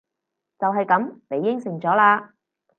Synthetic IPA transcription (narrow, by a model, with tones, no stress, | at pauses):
t͡sɐ˨wɦɐ˨jkɐ˨˥mne˨˧jːɪ˥ŋsɪ˨˩ŋt͡sɔː˨˥laː˧